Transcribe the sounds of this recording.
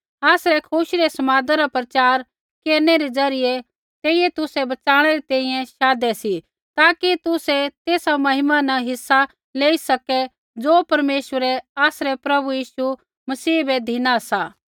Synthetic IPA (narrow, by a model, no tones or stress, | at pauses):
aːsɾɛkʰʊʃiɾɛsɐmaːd̪aɾapɾɐt͡ʃaːɾ | keːɾnɛɾed͡zɐɾɪjɛ | t̪eːɪjɛt̪ʊsɛbɐt͡ʃaːɽ̃ɛɾit̪ɛ̃ːĩjɛ̃ʃaːd̪ɛsi | t̪aːkit̪ʊsɛt̪eːsamɐɦɪmanɐɦɪsːa | leːisɐkɛ | d͡zoːpɐɾmeːswəɾɛaːsɾɛpɾɐbujiːsu | mɐsiːbɛd̪ʱiːnasaː